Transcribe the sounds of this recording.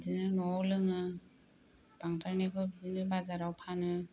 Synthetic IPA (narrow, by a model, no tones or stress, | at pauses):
zinɯnɔwlɯŋɯ | b̥aŋtʰaɾnekʰɯbzinɯbazaɾawpʰanɯ